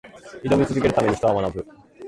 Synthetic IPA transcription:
id̪o̞mʲit͡sɨzɨk̬ʲe̞ɾɯ̟t̪ame̞ɲ̟iç̥it̪oamanabɯ̟

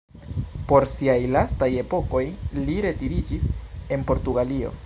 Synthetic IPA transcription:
po̞ɾsiajlastaje̞po̞ko̞jliɾe̞tiɾid͡ʒise̞npo̞ɾtuɡalio̞̰

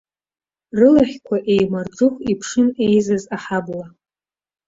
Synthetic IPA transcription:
rɨlaχʲkʷʰaʔejmard͡zʊχʷipʰʂɨnejzazaħabla

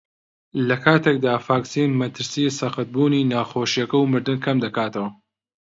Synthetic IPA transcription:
lɐkʰaːt̪ek̚d̪aːfaːksiːnmɐt̪ʰɨɾsisɐxɨt̪̚buːninaːxoːʃijɐkɐwmɨɾd̪ɨnkʰɐmd̪ɐkaːt̪ɐwɐ

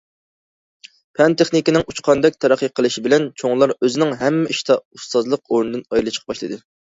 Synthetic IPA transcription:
pʰɛnt̪ʰeχnɪkʲinɪŋut͡ʃqʰɑnd̪ɛk̚ʲt̪ʰɛɾæqːiqʰəlˠɨʃibɪlɛnt͡ʃʰoŋlˠɑɾøzɪnɪŋɦɛmːɛʔiʃt̪ʰɑust̪ɑzlˠəq̚oɾnɨd̪ɨnɑjilˠɨt͡ʃʰə̥qʰəpbɑʃlˠɨd̪ɨ

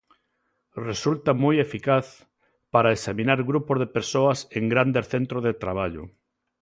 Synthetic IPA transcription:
result̪ɐmojefikaθ | paɾaesamĩnaɾɣɾupozðepeɾsoɐseŋɡɾand̪eɾθent̪ɾozðet̪ɾaβ̞aʎʊ̰

